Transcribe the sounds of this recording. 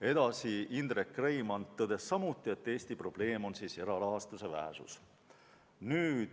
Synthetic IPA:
e̞d̪̥ɑsiind̪̥rekːrejmɑnt̪ːɤd̪̥e̞sːɑmut̪ːˑie̞t̪ːe̞ːsʲt̪ipro̞b̥le̞ːmo̞nsiːse̞ɾɑɾɑɦɑst̪use̞væ̰ɦesṵs | nyːd̪̥

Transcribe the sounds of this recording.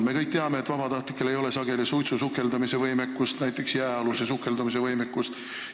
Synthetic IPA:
me̞kɤjk̚t̪eɑme̞ːt̪ːˑvɑb̥ɑt̪ɑht̪likːˑele̞jo̞le̞sɑɡ̥e̞lisujt̪susukːˑe̞ld̪ɑmise̞vɤjmekːˑust̪næjt̪ːˑe̞ksjæeɑlusesukːˑe̞ld̪̥ɑmis̬e̞vɤjmekːust̪

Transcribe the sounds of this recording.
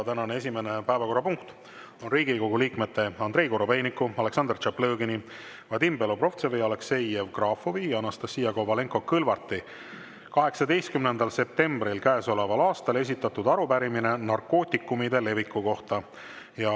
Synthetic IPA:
t̪ænɑnee̞sʲime̞ne̞pæːvɑko̞rːɑpuŋkt̪ | o̞nriːɡiko̞ɡuliːkme̞t̪ːe̞ɑnd̪̥ɾe̞jkoɾobejnikːˑuɑle̞ksɑnd̪̥rt͡ʃɑplø̞ːɡini | vɑt̪imbe̞lopro̞ft̪sevejɑlekse̞jevkrɑːfoviːɑnːɑst̪ɑsːiːjɑɡo̞vɑle̞ŋko̞kɯlvɑrt̪ːˑi | kɑɦe̞ksɑd̪e̞jst̪kymnend̪̥ɑlse̞p̚t̪e̞mbɾilkæːso̞le̞vɑlɑːst̪ɑle̞s̬ʲit̪ːˑɑt̪ud̪ɑɾubæɾimine̞nɑrko̞ːt̪ʲːˑikːˑumid̪̥e̞le̞vikːˑuko̞ht̪ɑ | jɑ

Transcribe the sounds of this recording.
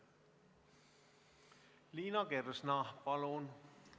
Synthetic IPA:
liːnɑkersnɑpɑlon

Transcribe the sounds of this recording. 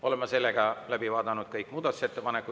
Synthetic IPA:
o̞le̞mɑse̞lːeɡ̥ɑlæbivɑːd̪ɑnud̪̥̚kɤjkːˑmuːd̪ɑt̪u̥set̪ːepɑnekːˑu

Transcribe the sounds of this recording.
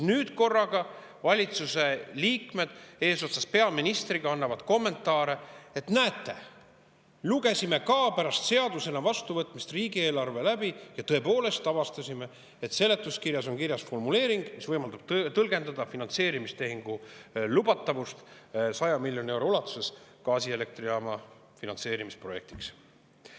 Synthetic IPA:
nyːd̪̥ko̞rːɑɡ̥ɑ | vɑlʲit̪suse̞liːkme̞d̪̥e̞ːso̞t̪sɑspe̞ɑminist̪riɡ̥ɑɑnːɑvɑd̪̥ko̞mːe̞nt̪ːˑɑːɾe̞et̪næet̪ˑːe̞̰ | luɡe̞sʲime̞kɑːpæɾɑst̪se̞ɑd̪use̞nɑvɑst̪uvɤt̪ːˑmist̪riːɡie̞ːlɑrve̞læb̥ijɑt̪ɤ̞e̞po̞ːle̞st̪ɑvɑst̪ɑsʲime̞ | et̪se̞lːe̞t̪ːˑuskirjɑso̞ŋkirjɑsfo̞rmule̞ːɾiŋɡ̥misvɤjmɑld̪̥ɑb̥̪̚t̪ɤlɡe̞nd̪ɑd̪̥ɑfinɑnt̪se̞ːɾimist̪e̞ɦiŋɡ̥ulub̥ɑt̪ːˑɑvust̪sɑjɑmilʲjo̞nie̞wɾo̞ulɑt̪ːˑu̥se̞skɑːsie̞le̞k̚t̪riɑmɑ | finɑnse̞ːɾimispro̞je̞̰k̚t̪i̥ks

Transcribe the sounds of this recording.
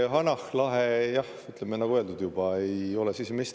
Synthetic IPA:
ɦɑnɑhlɑɦejɑh | yt̪ˑlemenɑɡ̥uøld̪ud̪̥jub̥ɑejo̞lɛsisemest̪

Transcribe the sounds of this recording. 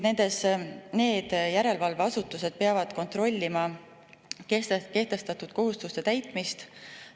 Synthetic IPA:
ne̞nd̪̥e̞sne̞ːd̪̥jæɾe̞lvɑlveɑsut̪ːˑuse̞d̪̥̚peɑvɑd̪̥ko̞nt̪ro̞lʲːimɑ | keke̞ht̪e̞st̪ɑt̪ːˑud̪̥̚ko̞ɦust̪ust̪e̞t̪æjt̪ˑmist̪

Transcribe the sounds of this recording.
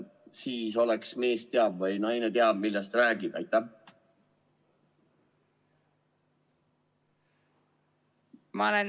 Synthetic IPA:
siːso̞leksme̞ːst̪eɑbvɤjnɑjnet̪eɑb̥milːɛst̪ræːɡ̥id̪̥ɑ̰jt̪ːˑæh | mɑlen

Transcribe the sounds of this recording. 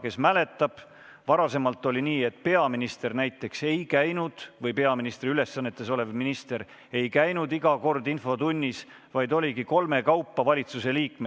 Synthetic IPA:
ke̞smæle̞t̪ːˑɑb̥ | vɑɾɑse̞mɑlt̪ːˑo̞lʲiniːe̞t̪̚pe̞ɑminist̪e̞rnæjt̪ːˑe̞kse̞jkæjnud̪̥vɤjpe̞ɑminist̪riyle̞sːɑnːe̞t̪ːˑe̞so̞le̞vminist̪e̞ɾ | e̞jkæjnud̪iɡɑko̞rd̪info̞t̪unʲːis | vɑjd̪o̞lʲiɡiko̞lme̞kɑwpːˑɑvɑlʲit̪suse̞liːkme

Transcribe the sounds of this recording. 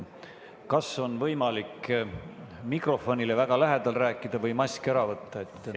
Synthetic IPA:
kɑso̞nvɤjmɑlik | mikro̞fo̞nʲilevæɡ̥ɑlæɦed̪̥ɑlræːkːˑid̪̥ɑvɤjmɑsʲkeɾɑvɤt̪ːɑe̞t̪ːˑ

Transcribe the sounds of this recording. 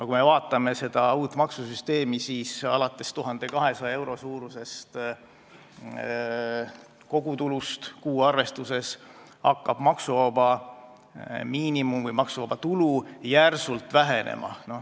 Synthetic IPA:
nokume̞vɑːt̪ːˑɑme̞se̞d̪̥ɑuːt̪ːˑmɑksusyst̪e̞ːmisiːsɑ̰lɑt̪ˑːe̞st̪uɦɑnd̪e̞kɑɦe̞sɑe̞wɾo̞suːɾuse̞st̪ | ko̞ɡ̥ut̪ulust̪kuːɑrve̞st̪use̞s | hɑkːɑb̥mɑksuvɑbɑ | miːnimumvɯjmɑksuvɑb̥ɑt̪ulujærsult̪ˑvæɦe̞nʔḛmʔɑ̰no̞

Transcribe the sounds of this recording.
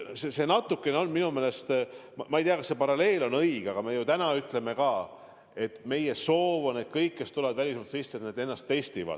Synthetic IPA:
sese̞nɑt̪ːˑukːˑe̞ne̞o̞nminumeːle̞st̪mmɑejt̪iɑkɑsːe̞pɑɾɑle̞ːlo̞nɤjɡ̥ɑɡ̥ɑme̞jut̪ænɑyt̪ˑle̞me̞kɑː | e̞t̪ːˑme̞jeso̞ːvoned̪̚kɤjkːe̞st̪uleɑd̪vælʲismɑlt̪sisːet̪ned̪e̞nːɑst̪ːe̞st̪ivɑ̰d̪̥

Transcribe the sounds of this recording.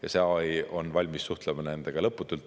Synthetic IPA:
jɑseɑjo̞nːvɑlʲmisːuht̪lemɑnend̪̥eɡ̥ɑlɤpːˑut̪ːˑult̪

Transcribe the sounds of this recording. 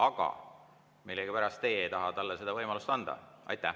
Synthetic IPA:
ɑɡ̥ɑ̰ | milːeɡ̥ipæɾɑst̪ːe̞ejt̪ɑɦɑt̪ɑlːese̞d̪ɑvɤjmɑlust̪ɑnd̪̥ɑ̰ɑ̰jt̪ːˑæh

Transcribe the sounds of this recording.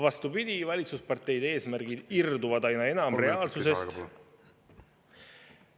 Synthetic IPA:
vɑst̪upid̪̥ʲivɑlʲit̪suspɑrt̪ːe̞jd̪e̞ːsmæɾɡ̥id̪ird̪uvɑd̪ɑjnɑe̞nɑmre̞ɑːlsuse̞st̪

